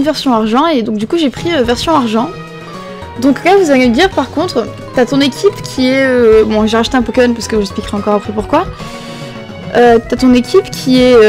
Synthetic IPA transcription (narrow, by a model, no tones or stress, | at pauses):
vɛʁsjɔ̃aʁʒɑ̃ed̪ɔ̃k̚d̪ykuʒepχiøvɛʁsjɔ̃aʁʒɑ̃ | d̪ɔ̃klavuzaled̪iʁpaʁkɔ̃t̪χ | t̪yat̪ɔ̃nekʲʰipkʲʰiɛøbɔ̃ʒeʁaʃt̪eɛ̃pɔkemɔnpaʁsəkəʒɛsplikʁɛɑ̃kɔʁapχɛpuʁkwa | øt̪yat̪ɔ̃nekʲipkʲʰiɛ